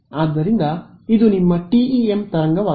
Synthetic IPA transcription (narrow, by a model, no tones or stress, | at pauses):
aːd̪ːɐɾind̪ɐid̪unimːɐʈiiemt̪ɐɾɐŋɡɐʋaː